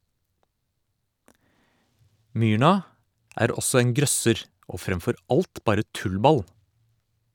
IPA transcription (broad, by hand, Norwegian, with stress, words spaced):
ˈmyːɳɑ ˈæːɾ ˈɔsɔ ˈeːŋ ˈɡɾœsəɾ ˈoː ˈfɾɛmfɔɾ ˈɑlt ˈbɑːɾə ˈtʉlˌbɑl